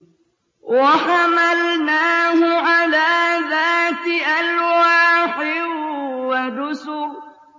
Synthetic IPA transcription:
waħamalnaːhʊʕalaːðaːt̪ɪʔalwaːħɪ | wad̪ʊsʊ

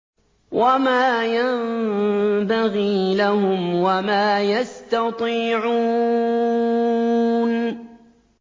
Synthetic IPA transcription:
wamaːjam | baɣiːlahʊmwamaːjast̪ɑt̪ˤiːʕuː | n

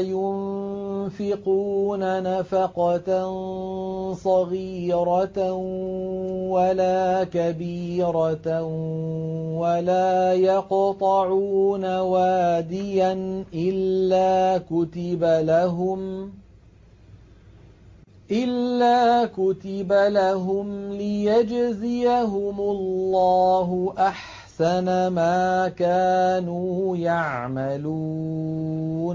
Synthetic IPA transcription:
jʊn | fɪquːnanafaqɑtn | sˤɑɣiːɾɑ | walaːkabiːɾɑ | walaːjɑqt̪ˤɑʕuːnawaːd̪ɪjanʔɪlːaːkʊt̪ɪbalaɦʊm | ʔɪlːaːkʊt̪ɪbalaɦʊmlɪjad͡ʒzɪjaɦʊmʊlːɑːɦʊʔaħ | sanamaːkaːnuːjaʕmaluː | n

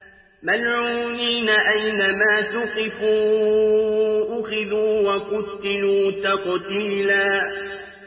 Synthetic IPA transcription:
malʕuːniːnaʔajnamaːsʊqɪfuː | ʔʊxɪðuːwaqʊt̪ːɪluːt̪ɑqt̪iːlaː

